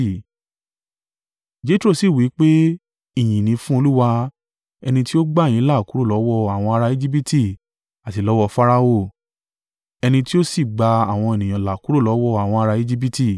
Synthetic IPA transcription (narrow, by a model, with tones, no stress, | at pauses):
d͡ʒe˦tɾo˦˨si˦˨wi˨˦k͡pe˦ | i˦˨j̃ĩ˨nĩ˧˦fũ˦o˧lu˦wa˧ | ɛ˧nĩ˧ti˦o˦ɡ͡ba˦˨j̃ĩ˨˦la˦˨ku˨˦ɾo˦˨lɔ˨˦wɔ˦˨a˨w̃ɔ̃˧a˧ɾa˧i˦d͡ʒi˦b̬i˦ti˦˨ | a˨ti˧˨lɔ˨˦wɔ˧fa˦ɾa˦o˦˨ | ɛ˧nĩ˧ti˦o˦si˦˨ɡ͡ba˧a˨w̃ɔ̃˧e˨nĩ˨j̃ã˨la˨ku˦ɾo˦˨lɔ˨˦wɔ˦a˨w̃ɔ̃˧a˧ɾa˧i˦d͡ʒi˦b̬i˦ti˦˨